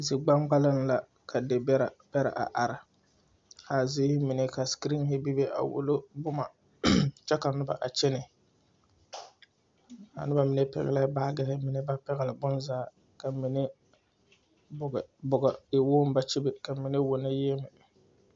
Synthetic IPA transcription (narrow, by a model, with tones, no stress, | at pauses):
zi˨ɡ͡ba˦ŋɡ͡ba˦lɪ˦n˦la˨ | kʰa˨de˨bɛ˦ɾb̥ɛ˦ɾa̰˨ʔa̰˨ʔa˨ɾɪ˨ | ha˨zɪː˦hɪ˦mɪ˨nɛ˦ka˨skɾi˦ŋhɪ˦bi˦be˦ʔa̰˨wʊ̰˨lo˦bʊ˦ma˨ | t͡ʃɛ˦ka˨nʊ˦ba̰˨ʔa˨t͡ʃɛ˦nɪ˨ | a̰˨nʊ˦ba˨mɪ˨ne˦pɛ̰˨ɣɛ̰˨la˦baː˦ɡɛ˨hɪ˦mɪ˨nɛ˦ba˦pɛ˦ɣɛ˨lɪ˨bʊ˦nzaː˦ | ka˨mi˨nɛ˦ | bʊ˨ɡɛ˨bʊ˨ɡa˨ɪ˨woː˦m˦ba˦t͡ʃi˦bɪ˨ka˨mi˨ne˦wʊ˨na˦jeː˦mɪ˨